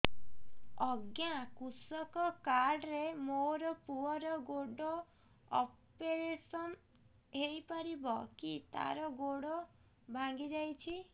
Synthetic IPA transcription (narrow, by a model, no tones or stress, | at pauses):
ɔɡjakusɔkɔkaɾɖɾemoɾɔpuɦɔɾɔɡoɖɔ | ɔpeɾesɔn | ɦejpɔɾibɔkit̪a̰ɾɔɡoɽɔ | bʱãŋɡid͡ʒajt͡ʃʰi